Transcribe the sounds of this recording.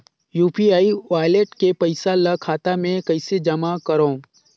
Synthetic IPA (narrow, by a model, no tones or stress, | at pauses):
juːpiaːiʋaːjleʈkepɐɪsalɐkʰaːt̪amẽkɐɪsed͡ʒɐmakɐɾõː